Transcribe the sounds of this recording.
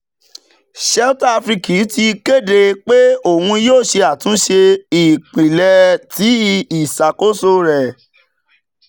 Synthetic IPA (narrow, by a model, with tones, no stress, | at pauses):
ʃɛ˦u˦ta˧fɾi˧ki˨˦ti˧ke˦˨de˧k͡pe˦o˦˨hũ˧joː˦˨ʃe˧a˨tũ˨˦ʃe˧i˨k͡pĩ˨lɛ˧ti˨˦i˨sa˨ko˦so˧ɾɛ˨